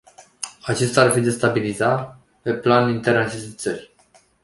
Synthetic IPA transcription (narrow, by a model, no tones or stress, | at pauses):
at͡ʃe̞st̪aːrfid̪e̞st̪abiliza | pe̞planint̪e̞rnat͡ʃe̞st̪e̞t̪sə̰rʲ